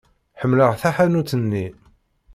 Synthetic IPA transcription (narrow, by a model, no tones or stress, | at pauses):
ħəmːləʁθaħænut͡sːənːi